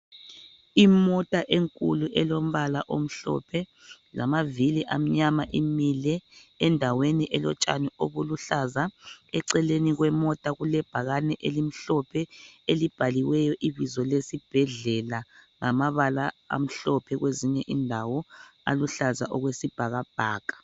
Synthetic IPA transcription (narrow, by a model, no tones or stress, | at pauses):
imɔtʼaʔeŋkʼṵluʔɛlom̩βalaʔom̩ɬɔ̰pʰɛ | lamaviliʔam̩ɲamaʔimilɛːndʱaweniʔɛlɔ̰t͡ʃʼa̰nioβuluɬazaɛǀɛleniɣwɛmɔtʼaɣulɛb̥ʱaɣanɛʔelim̩ɬɔpʰɛelib̥ʱaliwɛjɔʔiβizɔlesib̥ʱɛɮɛlaŋamaβala̰ːm̩ɬɔpʰɛɣweziɲɛʔindʱawɔa̰luɬaza̰ʔɔɣwesib̥ʱaɣab̥ʱaːkʼḁ